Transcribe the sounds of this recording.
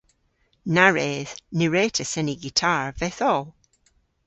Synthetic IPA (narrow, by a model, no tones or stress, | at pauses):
naɹeːðniɹeːtʰəsɛniɡitʰaɹvɛθɔlˠ